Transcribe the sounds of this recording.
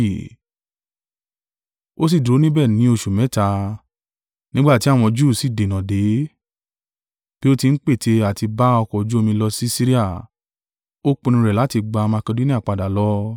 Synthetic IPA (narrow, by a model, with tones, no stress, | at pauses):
o˦s̬i˦˨du˨ɾo˨˦nĩ˦bɛ˦˨nĩ˨˦o˧ʃu˨mɛ̃˨˦ta˧ | nĩ˦ɡ͡ba˦˨ti˦a˦˨w̃ɔ̃˧d͡ʒuː˦˨si˦˨de˨nã˨de˨˦ | b̥i˦o˦ti˧n̩˦k͡pe˦˨te˧a˨ti˧ba˦ɔ˧kɔ˨d͡ʒu˦o˧mĩ˧lɔ˧si˦si˦ɾi˦a˦˨ | o˦k͡pũ˧nĩ˧ɾɛ˨la˨˦ti˧ɡ͡ba˧ma˧ke˧do˦nĩ˦a˦˨k͡pa˧da˨lɔ˦